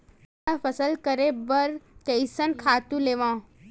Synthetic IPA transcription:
afəsəlkəɾebɐɾkeɪsənkʰaːt̪ũleːʋãː

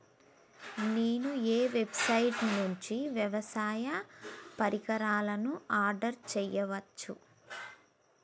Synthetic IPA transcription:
neːnueːʋe̞bsɐjʈnuɲt͡ʃiʋjɐʋɐsaːjɐpɐɾikɐɾaːlɐnuaːɾɖɐɾt͡ʃɛjːɐʋɐt͡ʃːu

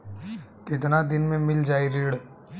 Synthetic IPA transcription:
kɪt̪̬nad̪ɪnmẽmɪld͡ʒaːiɾiːɽ

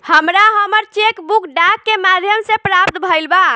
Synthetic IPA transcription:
həmɾaɦəməɾt͡ʃekbukɖakːemad̪ʱjəmsẽpɾap̚t̪bʱəjlba

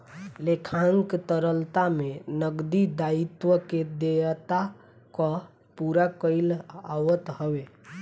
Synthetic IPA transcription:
lekʰaŋkt̪əɾəlt̪amenəɡd̪id̪ait̪wəked̪et̪a | kɔ | puɾakəlawət̪həʋe

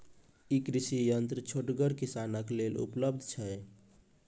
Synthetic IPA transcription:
ikɾisijənt̪ɾət͡ʃʰoʈɡəɾkisanəklelṵpləb̚d̪ʱt͡ʃʰɛ

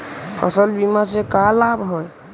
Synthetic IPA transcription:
pʰɔ̰sɔlbimas̬ekalabɦɔj

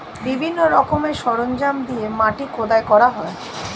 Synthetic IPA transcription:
bibʱinːoɾɔkomeɾʃɔɾond͡ʑamd̪iemaʈikʰod̪aekɔɾaɦɔe

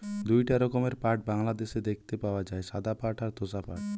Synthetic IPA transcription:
d̪ujʈaɾɔkomeɾpaʈ̚baŋlad̪eʃed̪ekʰt̪epaoad͡ʑaeʃad̪apaʈaɾt̪osapa̰ʈ

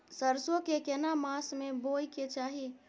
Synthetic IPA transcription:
səɾsokekenamasmebojket͡ʃaɦi

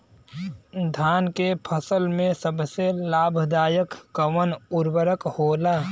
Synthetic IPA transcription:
d̪ʱaːnkepʰəsəlmẽsəbselaːbʱd̪aːjəkːəʋənʊɾwəɾəkhoːlaː

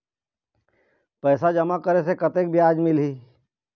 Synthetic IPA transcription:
pɛːsad͡ʒɐmakəɾes̬ekət̪ek̚bjaːd͡ʒmɪlɦiː

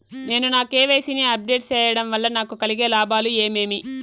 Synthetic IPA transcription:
ne̞ːnunaːkeːʋe̞ːsiniɐp̚ɖe̞ːʈst͡ʃɛːjɐɽɐmʋɐlːɐnaːkukɐliɡe̞ːlaːbaːlueːme̞ːmi

